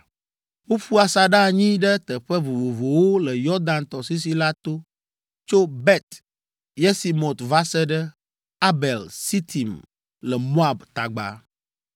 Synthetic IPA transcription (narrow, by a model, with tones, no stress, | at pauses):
wo˦ɸu˦a˨sa˨ɖa˦˨ɲĩ˦ɖɛ˦t̪ɛ˨ɸɛ˦vo˨vo˨vo˨wo˦lɛ˨jɔ˦ɾd̪ã˨nt̪ɔ˨si˦s̬i˦la˦t̪o˦ | t͡ʃo˦bɛ˦t̪ | jɛ˦si˨mõ˨t̪va˦sɛ˦ɖɛ˦ | a˦bɛ˨lsi˦t̪ʰi˨m | lɛ˨mõ˦a˨bt̪a̰˨ɡ͡ba̰˨